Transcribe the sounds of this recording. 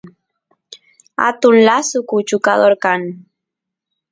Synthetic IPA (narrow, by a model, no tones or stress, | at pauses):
a̰t̪unlasukut͡ʃukaðoɾkan